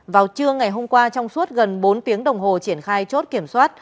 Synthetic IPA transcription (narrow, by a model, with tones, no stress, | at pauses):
vaː˨˩wt͡ɕɨ˧əŋa˨˩jɦo˧mkwaː˧t͡ɕɔ˧wŋ͡msu˦˥ət̚ɣə˨˩nɓo˨˦nt̪i˨˦əŋɗə˨˩wŋ͡mɦo˨˩t͡ɕi˧˩ənxaː˧jt͡ɕo˦˥t̚ki˧˩əmswaː˦˥t̚